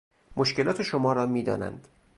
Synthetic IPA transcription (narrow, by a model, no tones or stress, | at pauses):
moʃke̞lɒːt̪ʰe̞ʃomɒːɾɒːmiːd̪ɒ̰ːnæ̰nd̪̥